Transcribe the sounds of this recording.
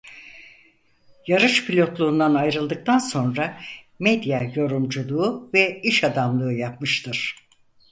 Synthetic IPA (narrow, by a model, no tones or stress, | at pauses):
jaɾɯʃpʰilʲo̞t̪lˠuːnd̪anajɾɯlˠd̪ɯk̚t̪ʰanso̞nɾa | mɛd̪jajo̞ɾumd͡ʒulˠuːvɛiʃad̪amlˠɯːjapmɯʃt̪ʰɯɾ̥